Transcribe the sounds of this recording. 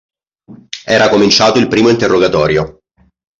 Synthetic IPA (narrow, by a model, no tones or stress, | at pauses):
ɛːɾakomint͡ʃaːt̪oilpɾiːmoint̪erːoɡat̪ɔːɾjo